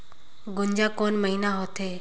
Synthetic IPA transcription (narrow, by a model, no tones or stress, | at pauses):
ɡʊɲd͡ʒaːkoːnməɦinaɦot̪ʰeː